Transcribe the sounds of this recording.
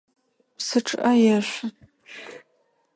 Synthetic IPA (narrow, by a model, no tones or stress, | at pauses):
psɨʈ͡ʂʼʔɐjɛɕʷ